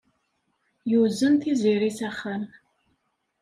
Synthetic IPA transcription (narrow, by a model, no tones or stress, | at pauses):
jɪwzɨnt̪ʰiːzeːɾisɐχɐn